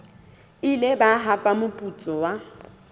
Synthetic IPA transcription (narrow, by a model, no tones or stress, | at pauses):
ɪlebaɦapʼamʊpʼut͡sʼɔwa